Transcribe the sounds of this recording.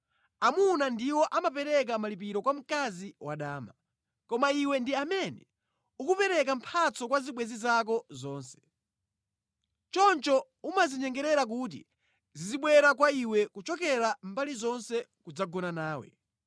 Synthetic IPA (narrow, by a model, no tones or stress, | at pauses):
amunandiwɔʔamapɛɾɛk̬amalip̬iɾɔkwam̩kaziwaɗaːma | kɔmaiwɛndiamɛnɛ | ukupɛɾɛk̬am̩pʰat͡sɔkwaziɓwɛzizak̬ɔzɔːnsɛ̥ | t͡ʃɔnt͡ʃɔ | umaziɲɛŋɡɛɾɛɾak̬ut̬ḭ | ziziɓwɛɾak̬waiwɛkut͡ʃɔkɛɾambalizɔnsɛkud͡zaɡɔnanaːwɛ̰